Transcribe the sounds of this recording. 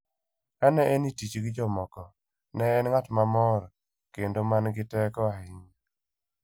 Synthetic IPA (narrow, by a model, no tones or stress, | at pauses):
kanɛʔɛnitit͡ʃɡɪd͡ʒɔmɔkɔ | nɛːnŋatmamɔɾ | kendomanɡɪtɛkɔahɪŋ